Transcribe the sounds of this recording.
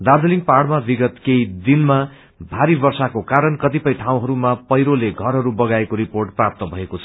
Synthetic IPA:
d̪ard̪ʌliŋpaɽmabiɡʌt̪kejd̪inma | bʱaɾibʌrsakokaɾʌnkʌt̪̬ipʌjʈʰãw̃ɦʌɾumapʌjɾoleɡʱʌrɦʌɾubʌɡaekoɾiporʈ̚prap̚t̪ʌbʱʌekot͡sʰʌ

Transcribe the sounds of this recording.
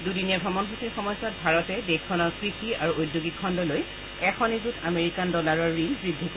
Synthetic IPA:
dudinɛbʱɹɔmɔnbʰutiɹxɔmɔjsɔt̚bʱaɹɔtɛdekʰːɔnɔkɹixiaɹuʔojdjoɡikʰɔndɔloj | ɛxʰɔnizutʰameɹikandɔlaɹɔɹːinbɹidʱːiko

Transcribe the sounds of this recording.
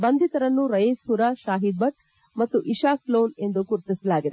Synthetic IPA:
bɐnd̪ʱit̪ɐɾɐnːuɾɐjeːsɦuɾaʃaːɦid̪̚bɐʈ̚ | mɐt̪ːuʔiʃaːkloːne̞nd̪ukuɾit̪isɐlaːɡid̪e

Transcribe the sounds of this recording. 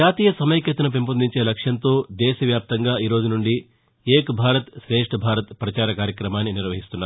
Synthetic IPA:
aːt̪iːjɐsɐmɐjɐkjɐt̪unɐp̬impond̪iɲt͡ʃe̞ːlɐkʂjɐnt̪o̞ːd̪ɛːʃɐʋjaːp̚t̪ɐŋɡaːʔiːɾo̞ːd͡ʒunuɳɖi | eːkbʱaːɾɐt̪ʃɾeːʂʈʰɐbʱaːɾɐt̪pɾɐt͡ʃaːɾɐkaːɾjɐkɾɐmaːnːiniɾʋɐɦist̪unːaːɾ

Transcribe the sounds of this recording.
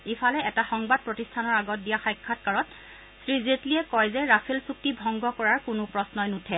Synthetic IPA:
ifʰalɛɛtaxɔŋbad̚pɹɔtistʰanɔɹaɡɔt̚dijaxajkʰːatkaɹɔt | sɹizetliɛkɔjzɛɹapʰelsuk̚tibʱɔŋɡɔkɔɹaɹkʊnʊpɹɔsnɔjnutʰɛ

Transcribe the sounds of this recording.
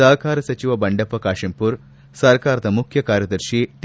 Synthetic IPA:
ɐːɐkaːɾɐsɐt͡ʃiʋɐbɐɳɖɐpːɐkaːʂɐmpuɾ | sɐɾkaːɾɐd̪ɐmukʰjɐkaːɾjɐd̪ɐɾʃit̪

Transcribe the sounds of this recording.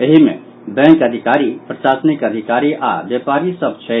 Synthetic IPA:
eɦimḛ̃ | bɛ̃ŋkəd̪ʱikaːɾipɾəʃaːsnikəd̪ʱikaːɾiʔa̰ʋepaːɾisəb̚t͡ʃʰɛ

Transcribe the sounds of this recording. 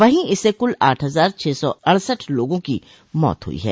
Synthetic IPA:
ʋɐɦĩɪsekʊlaːʈʰɦɐzaːɾt͡ʃʰeːsɔɐɽ̃səʈʰloːɡõki | mɔ̰ːt̪ɦʊ̰ḭɦɛ̰ː

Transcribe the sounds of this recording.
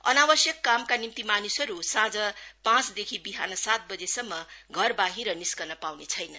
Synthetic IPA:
ʌ̰nabʌsjʌkːamkanimt̪imanusʌɾusãd͡zʌpãt͡sd̪ekʰibiɦa̰nʌsat̪̚bʌd͡zesʌmːʌɡʱʌrbaɦiɾʌniskʌnʌpawnet͡sʰʌjnʌn

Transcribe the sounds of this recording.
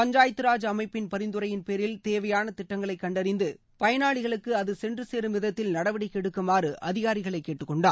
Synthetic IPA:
pɐɲd͡ʒaːjɐt̪ːɯɾaːd͡ʒɐmɐɪpːɪnpɐɾɪnd̪ɯɾɐjɪnpeːɾɪlt̪eːʋɐjaːnɐt̪ɪʈːɐŋɡɐɭɐɪkːɐɳɖɐɾɪnd̪ɯ | pɐjɐnaːɭɪɣɐɭɯkːɯɐðɯsɛndrɯseːɾɯmʋɪðɐt̪ːɪlnɐɽɐʋɐɽɪkːɛɽɯkːɯmaːrɯʔɐðɪɣaːɾɪɣɐɭɐɪkːeːʈːɯkːɔɳɖaː

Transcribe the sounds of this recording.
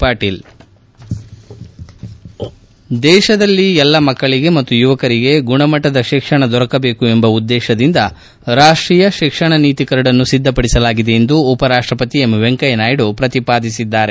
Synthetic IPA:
paːʈiːl | d̪ɛːʃɐd̪ɐlːiɛlːɐmɐkːɐɭiɡe̞mɐt̪ːujuʋɐkɐɾiɡe̞ɡuɳɐmɐʈːɐd̪ɐʃikʂɐɳɐd̪ɔɾɐkɐbe̞ːkue̞mbɐud̪ːɛːʃɐd̪ind̪ɐ | ɾaːʂʈɾiːjɐʃikʂɐɳɐniːt̪ikɐɾɐɽɐnːusid̪ːɐpɐɽisɐlaːɡid̪e̞end̪uːpɐɾaːʂʈɾɐpɐt̪iemʋeŋkɐjnaːjɽupɾɐt̪ipaːd̪isid̪ːaːɾe

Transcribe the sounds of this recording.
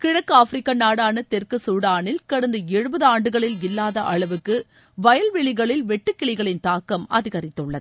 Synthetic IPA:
kɪɻɐkːɯaːfɾɪkːɐnaːɽaːnɐt̪ɛrkɯsuːɽaːnɪlkɐɽɐnd̪ɐɛɻɯbɐðɯaːɳɖɯɣɐɭɪlɪlːaːðɐʔɐɭɐʋɯkːɯ | ʋɐjɐlʋɛɭɪɣɐɭɪlʋɛʈːɯkːɪɭɪɣɐɭɪnt̪aːkːɐmɐ̰ðɪɣɐɾɪt̪ːɯɭːɐðɯ

